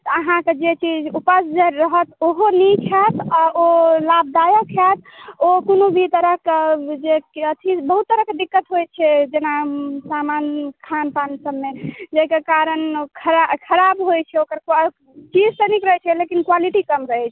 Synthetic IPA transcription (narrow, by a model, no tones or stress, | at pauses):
t̪ɔəɦãked͡ʒet͡ʃid͡ʒupəsd͡ʒeɾəɦət̪oɦonit͡ʃʰat̪aolab̚d̪ajəkʰat̪̚ʰokonobʱit̪əɾəɦkd͡ʒekeət̪ʰibəɦut̪ːəɾəɦked̪ikːət̪ɦojt͡ʃʰɛd͡ʒenasamankʰanpansəbːed͡ʒekekaɾənkʰəɾakʰəɾabɦojt͡ʃʰɛokəɾk | t͡ʃid͡ʒsənikɾəɦɛt͡ʃʰɛlekinkwaliʈikəmɾəɦɛt͡ʃʰɛ